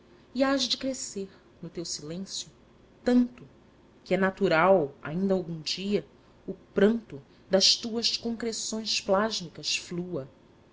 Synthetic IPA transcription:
iaʒd͡ʒɪkɾeseɾ | nʊt̪ewsilẽsjʊ | t̪ɐ̃nt̪ʊ | kɪɛnat̪uɾawa̰ĩnd̪ɐawɡũd͡ʒiɐ | ʊpɾɐ̃nt̪ʊ | d̪ɐʃt̪uɐʃkõŋkɾesõj̃splaʒmikɐsfluɐ

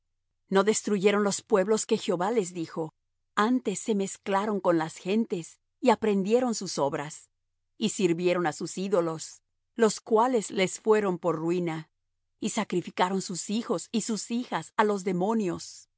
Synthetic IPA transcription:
no̞ðe̞st̪ɾuʝe̞ɾo̞nlo̞spwe̞βlo̞ske̞xeo̞βale̞zðixo̞ | ant̪e̞sːe̞me̞sklaɾo̞ŋko̞nlasxe̞nt̪e̞s | iapɾe̞nd̪jeɾo̞nsuso̞βɾas | isiɾβje̞ɾo̞nasusiðo̞lo̞s | lo̞skwale̞zle̞sfwe̞ɾo̞mpo̞ɾrwina | isakɾifikaɾo̞nsusixo̞sisusixasalo̞zðe̞mõ̞njo̞s

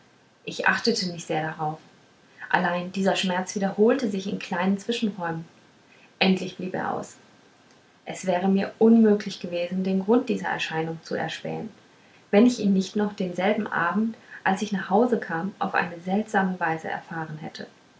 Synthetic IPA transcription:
ʔɪçʔa̰χtətʰəmɪçtz̥eːɐɾaʁaʊf | ʔa̰laɪndiːzɐʃmɛɐt͡sv̥iːdɐhoːltəzɪçɪ̰nkʰl̥aɪnənt͡sv̥ɪʃn̩ʁɔʏmən | ʔɛntʰlɪçb̥liːpḛːɐʔa̰ʊs | ʔɛsv̥ɛːʁ̞əmiːɐʔʊnmøːklɪçɡ̥əveːzn̩deːnɡʁʊnt̚d̥iːzɐʔɛ̰ɐʃaɪnʊŋt͡suɛ̰ɐʃpɛ̰ːən | vɛnɪçiːnnɪçtnɔχd̥eːnzɛlbm̩ʔa̰ːbm̩tʔalsɪçnaːχhaʊzəkʰaːmʔa̰ʊfʔa̰ɪnəzɛltz̥aːməvaɪzə̰ʔɛ̰ɐfaːʁənɦɛ̰tʰə

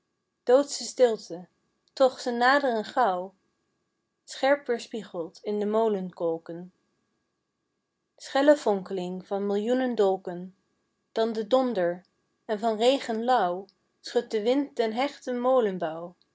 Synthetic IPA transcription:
d̥owtsəstɪlˠtə | tɔχsənːaːdərənχɑw | sχɛɹpəɹspiχəlˠtɪndəmowlənkɔlˠkən | sχɛləvɔŋkəlɪŋvɑnmɪlˠjunəndɔlˠkən | d̥ɑndədɔndəɹ | ɛnvɑnrejχənlʌw | sχɵt̚dəʋɪntːɛnɦɛχtəmowlənbʌw

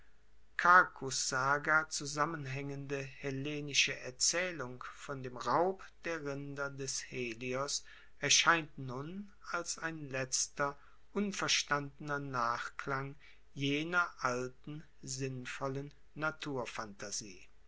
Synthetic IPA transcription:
kʰakʰʊsz̥aːɡɐt͡suzamənɦɛŋəndəhɛleːnɪʃəʔɛɐt͡sɛːlʊŋfɔndeːmʁaʊp | d̥eːɐʁɪndɐdɛsheːliɔs | ʔɛɐʃaɪntnʊn | alsaɪnlɛt͡stɐ | ʔʊnfɛɐʃtandənɐnaːχklaŋ | jeːnɐʔaltn̩ | zɪnfɔlənː | atʰuːɐfantazḭː

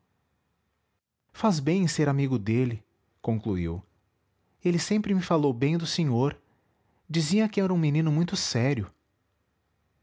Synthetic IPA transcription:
fazbẽj̃seɾamiɡʊd̪elɪ | kõkluḭw | elɪsẽmpɾɪmɪfalowbẽj̃d̪ʊsẽɲoɾ | d͡ʒizĩɐkɪɛɾɐũminĩnʊmũj̃t̪ʊsɛɾjʊ

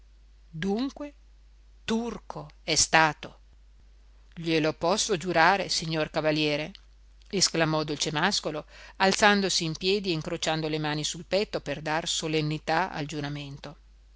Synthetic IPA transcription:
d̪uŋkwe | t̪urkʰoɛst̪aːt̪o | ʎelopɔsːod͡ʒuɾaːɾesiɲːorkavaljɛːɾe | esklamɔd̪olt͡ʃemaskoloalt̪sand̪osiːmpjɛːd̪ieiŋkɾot͡ʃand̪olemaːnisulpɛt̪ːoperd̪arsolenːit̪aa̰ld͡ʒuɾament̪o

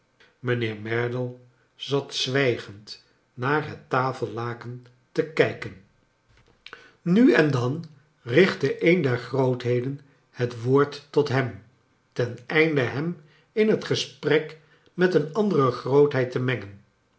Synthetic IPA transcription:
mənɪːɹmɛɹdəlˠ | zɑtsʋɛjχənt | naːɹɦətːaːfəlˠlaːkən | təkɛjkən | nyɛndɑn | rɪχtəʔejndɛɹχrowtɦejdən | hətʋoːɹtɔtɦɛm | tɛnɛjndəɦɛm | ɪnɦətχəsprɛk | mɛtənɑndərəχrowtɦɛjtəmɛŋən

